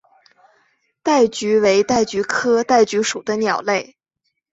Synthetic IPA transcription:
t̪a˥˩ɪt͡ɕy˧˥we˧˥ɪt̪a˥˩ɪt͡ɕy˧˥kʰɤ˥t̪a˥˩ɪt͡ɕy˧˥ʂu˨˩d̪ə˦njɑ˨˩ʊle˥˩ɪ

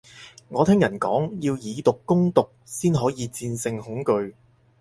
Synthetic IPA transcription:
ŋɔː˨˧t̪ʰɪ˥ŋjɐ˨˩nkɔ̰ː˨˥ŋjiː˧wjiː˨˧˥t̪ʊ˨kːʊ˥ŋt̪ʊ˨k̚siː˥nɦɔː˨˥jiː˨˧t͡siː˧nsɪ˧ŋhʊ˨˥ŋkɵ˧ɥ

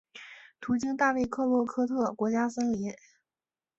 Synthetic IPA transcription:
t̪ʰu˧˥t͡ɕi˥ŋt̪a˥˧we˥˧ɪkʰɤ˥˧lwɔ˥˩kʰɤ˥t̪ʰɤ˥˩kwɔ˧˥t͡ɕja˥sə˥ŋli˧˥n

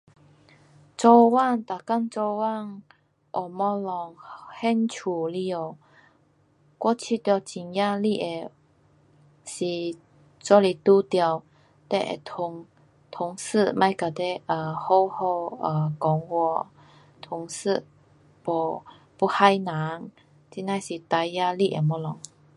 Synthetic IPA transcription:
t͡sɔ˧wa˥˧˨nt̪a˨˩ka˥˧ŋt͡sɔ˧wa˥˨ŋ | ʔɔ˨˩mɔ˧lɔ˨˩ŋhɛ˧˥nt͡ɕʰu˨˩li˧˩o˨ | kwɔ˥˧t͡ɕʰi˧t̪ja˧t͡ɕi˨˩nja˥˧li˥˧˩e˨˩ | si˨˩ | t͡sɔ˧˦li˨˩t̪u˧t̪ja˧w | t̪ɛ̰˧˩ʔḛ˨t̪ʰʊ˨˧˦ŋ | t̪ʰʊ˨˧˩ŋsɨ˥˧mã˧jka˨˩t̪e˦ʔə˨˩ho˥˧whɔ˥˧ə˨kɔ˨˦ŋwɔ˧ | t̪ʰʊ˨˧ŋsɨ˥˧˨ | pɔ˨ | pu˧ha˧jnã˨˦ŋ | t͡ɕi˧˥na˧jsi˨t̪a˧ja˧li˧ʔe˨mɔ˧˥lɔ˨˩ŋ

